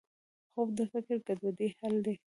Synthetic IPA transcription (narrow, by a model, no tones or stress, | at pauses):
xobd̪əfɪkɪɾkad̪ad̪ehald̪e